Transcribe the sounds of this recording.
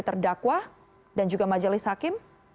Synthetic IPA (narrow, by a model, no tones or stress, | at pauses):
t̪ərdakwa | dand͡ʒuɡamad͡ʒalɪshakɪm